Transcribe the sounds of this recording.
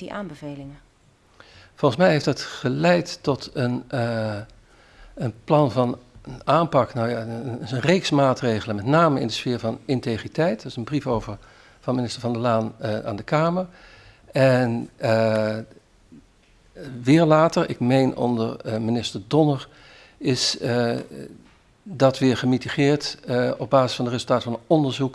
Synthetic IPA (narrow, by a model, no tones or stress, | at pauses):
iʔaːmbəvejlɪŋə | fɔlˠχən̩s̬mɛjɦejftətχəlɛjtːɔtən | ənplɑnvɑnaːmpɑknawjasənrejksmaːtrejχələmɛtnaːməɪ̰ndəsfɪːɹvɑnɪntejχritɛjtdəɪsənbrifowvəɹ | v̥ɑnmɪnɪstəɹvɑndəlaːna̰ːndəkaːməɹ | ɛn | ʋɪːɹlaːtəɹɪ̰kmejnʔɔ̰ndəɹminɪstəɹdɔnəɹ | ɪs | dɑtʋɪːɹχəmitiχɪːɹtɔb̚baːzɪ̥sfɑndərɪzəlˠtaːtfɑnənɔndəɹzuk